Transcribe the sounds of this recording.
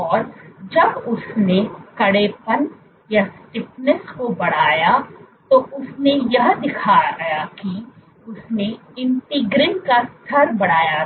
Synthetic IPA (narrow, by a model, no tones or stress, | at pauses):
ɔːɾd͡ʒɐbʊsnekɐɽeːpən | jasʈɪpnəskobɐɽ̤aːjat̪oʊsnejɐɦd̪ɪkʰajaki | ʊsne | ɪ̃ɳʈɪɡɾɪnkast̪ʰɐɾbɐɽ̤aːja